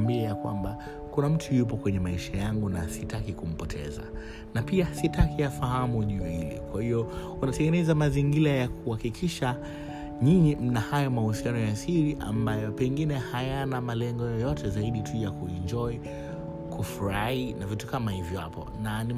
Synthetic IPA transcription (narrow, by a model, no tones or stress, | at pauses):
mbiɛjakwa̰mba | kunam̩tʰujupɔkwɛɲɛmaiʃajaŋɡunasitakikum̩pɔtʰɛ̰za̰ | napiasitakiafahamuʄuɔhilɛ̰kwahiɔ | unatɛŋɡɛnɛzamaziŋɡilajakuhakikʰiʃa | ɲiɲim̩nahajɔmahusianɔjasiɾiʔa̰mbajɔpɛŋɡinɛhajanamalɛŋɡɔjɔjɔtʰɛzaiɗitʰujakuind͡ʒɔi | kʰufuɾainavitu̥kamahivja̰pɔ̰nani